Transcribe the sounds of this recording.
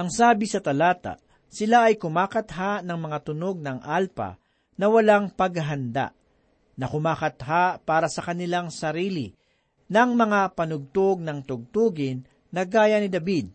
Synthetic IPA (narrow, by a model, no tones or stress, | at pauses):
ʔɐŋsaːbɪsɐt̪ɐlaːt̪a̰ | sɪlaʔɐjkʊmaːkɐt̪ɦanɐŋmɐŋat̪ʊnoɡ̚nɐŋʔalpa̰ | nɐwɐlaŋpɐɡɐɦɐnd̪a̰ʔ | nɐkʊmaːkɐt̪ɦapaːɾɐsɐkɐnɪlaŋsɐɾiːlɪ | nɐŋmɐŋapɐnʊɡ̚t̪oɡ̚nɐŋt̪ʊɡ̚t̪uːɡɪnː | ɐɡaːjɐnɪd̪ɐbid̪̚